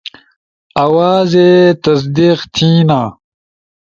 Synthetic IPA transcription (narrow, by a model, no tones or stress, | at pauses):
ɐwaːzet̪ɐs̬d̪iqt̪ʰiːnaː